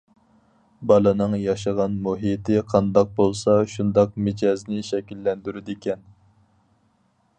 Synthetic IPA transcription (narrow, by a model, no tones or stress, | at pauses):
bɑlˠɨnɨŋjɑʃʁɑnmuɦit̪ʰɪqʰɑnd̪ɑq̚bolˠsɑʃund̪ɑq̚mɪd͡ʒɑznɪʃɛkʲilːɛnd̪yɾyd̪ɪkʲʰɛn